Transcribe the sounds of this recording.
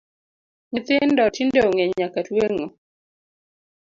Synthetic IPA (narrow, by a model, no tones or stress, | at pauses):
ɲɪt̪ɪndɔtindeoŋeɲakatweŋo